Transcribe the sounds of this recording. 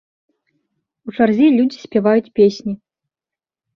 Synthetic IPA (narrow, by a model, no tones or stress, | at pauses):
ut͡ʂarzʲilʲud͡zʲisʲpʲɛvajut͡sʲpʲesʲnʲi